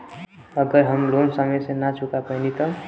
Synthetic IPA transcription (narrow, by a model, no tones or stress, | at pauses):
ʌɡʌɾɦʌmlonsʌmʌjsẽnat͡sʰukapʌnit̪ʌ